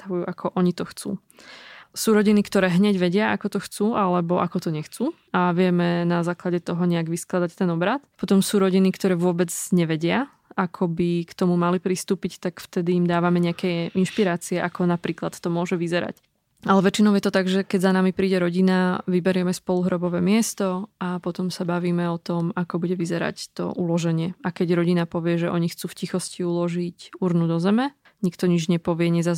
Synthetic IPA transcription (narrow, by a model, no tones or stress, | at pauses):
t̪aʋujuːʔakʰɔʔɔɲit̪ɔxt͡sṵː | suːɾɔɟinikt̪ɔɾɛːɦɲɛɟʋɛɟɪaakɔt̪ɔxt͡suːʔalɛbɔʔakɔt̪ɔɲɛxt͡suː | aʋɪɛmɛnazaːklaɟɛt̪ɔɦɔɲɛaɡʋisklad̪act̪ɛnɔbɾat̪pɔt̪ɔmsuːɾɔɟinikt̪ɔɾɛːʋʊɔbɛd͡zɲɛʋɛɟɪa | akʰɔbikt̪ɔmumalipɾist̪uːpict̪akft̪ɛd̪iːmd̪aːʋamɛɲɛakɛjinʃpiɾaːt͡siɛʔakʰɔnapɾiːklat̪t̪ɔmʊɔʒɛʋizɛɾa̰c | alɛʋɛt͡ʃinɔʊjɛt̪ɔt̪aɡʒɛkɛɟzanamipɾiːɟɛɾɔɟinaʋibɛɾɪɛmɛspɔluɦɾɔbɔʋɛːmɪɛst̪ɔapɔt̪ɔmsabaʋiːmɛɔt̪ɔmakɔbuɟɛʋizɛɾa̰ct̪ɔ̰ʔulɔʒɛɲɪɛakɛɟɾɔɟinapɔʋɪɛʒɛʔɔɲixt͡suːfcixɔsciulɔʒicuɾnud̪ɔzɛmɛ | ɲikt̪ɔɲid͡ʒɲɛpɔʋɪɛɲɛza